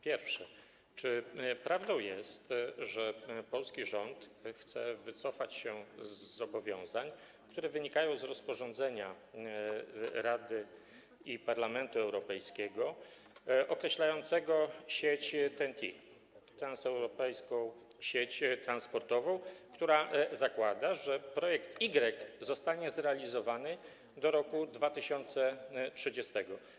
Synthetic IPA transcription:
pʲjɛɾfʂɛ | t͡ʂɘpɾavd̪ɔ̃w̃jɛst̪ʐɛpɔlskʲiʐɔnt̪xt̪sɛ̰vɘt̪sɔfat͡ɕɕɛzːɔbɔvʲjɔ̃w̃zaɲ | kt̪uɾɛvɘɲikajɔ̃w̃zɾɔspɔʐɔnd̪zɛɲa | ɾad̪ɘ | ipaɾlamɛnt̪uɛwɾɔpɛjskʲɛɡɔ | ʔɔkɾɛɕlajɔnt̪sɛɡɔɕet͡ɕt̪ɛnt̪ʰʲḭ | t̪ɾansɛwɾɔpɛjskɔ̃w̃ | ɕet͡ɕt̪ɾanspɔɾt̪ɔvɔ̃w̃kt̪uɾazakwad̪aʐɛpɾɔjɛkt̪iɡɾɛkzɔst̪aɲɛzɾɛalʲizɔvanɘ | d̪ɔɾɔkud̪vat̪ɘɕɔnt̪sɛtʂɘd͡ʑɛst̪ɛɡɔ

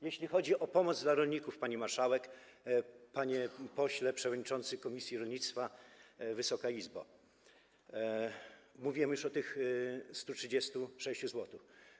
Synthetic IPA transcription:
jeɕlʲixɔd͡ʑiʔɔpɔmɔd̪zd̪laɾɔlʲɲikufpaɲimaɾʂawɛk | paɲɛpɔɕlɛpʂɛvɔd̪ɲit͡ʂɔnt̪sɘkɔmʲisʲjiɾɔlʲɲit̪st̪favɘsɔkaizba̰ | muvʲiɛmjuʂɔt̪ɘxst̪utʂɘd͡ʑest̪uʂɛɕt͡ɕuzwɔt̪ʊf

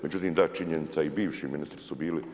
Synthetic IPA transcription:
me̞d͡ʑut̪iːmd̪at͡ʃiɲenit̪saibiːʋʃḭːminist̪ɾi̥subiːli

